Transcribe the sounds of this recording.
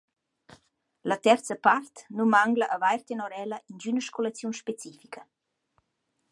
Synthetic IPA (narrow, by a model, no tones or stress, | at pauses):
lat̪ɛrt͡səpart̪numaŋɡləʔəvajrt̪enɔɾɛləʔind͡ʒynəʃkolat͡sjunʃpet͡sifikʰə